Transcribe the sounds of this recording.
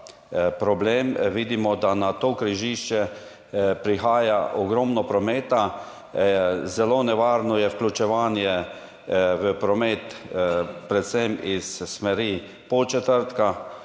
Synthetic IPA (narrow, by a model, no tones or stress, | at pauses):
pɾɔbleːmʋiːd̪imɔd̪anat̪oːkɾiʒiʃt͡ʃɛ | pɾixaːjaʔɔɡɾɔmnɔpɾɔmeːt̪a | zɛloːnɛʋaːɾnɔjɛwklʲut͡ʃɛʋaːnjɛ | ʋəpɾɔmeːt̪ | pɾɛt̪sɛmisːmɛɾi | pɔt͡ʃɛt̪əɾt̪ka